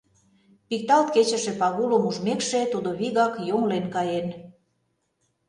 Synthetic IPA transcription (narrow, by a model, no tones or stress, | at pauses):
pik̚t̪ɑlt̪ket͡ɕə̆ʃĕpɑɣulomuʒmekʃet̪ud̪oβiɣɑkjoŋlenkɑjen